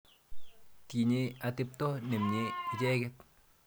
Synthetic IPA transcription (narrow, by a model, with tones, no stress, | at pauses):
ti˨ɲeatɪp̚tɔ˦ne˨mɲei˨t͡ʃɛː˦kɛt̚